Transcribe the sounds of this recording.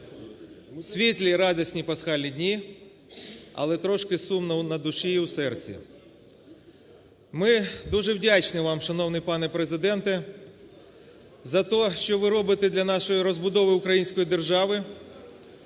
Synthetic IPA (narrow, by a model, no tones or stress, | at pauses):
sʲʋʲit̪lʲiɾɑd̪ɐsʲnʲipɐsxɑlʲnʲidʲnʲi | ɐ̰lˠɛt̪ɾɔʃkɪsumnɐwnɐd̪ʊʃijiwsɛrt͡sʲḭ | mɪd̪uʒɛwdʲat͡ʃnɪʋɑmʃɐn̪ɔwnɪjpɑnɛpɾezɪd̪ɛnt̪ɛ | zɐt̪ɔʃt͡ʃɔʋɪɾɔbɪt̪ɛd̪lʲɐnɑʃɔjiɾɔzbʊd̪ɔʋɪʊkɾɐjinʲsʲkɔjid̪erʒɑʋɪ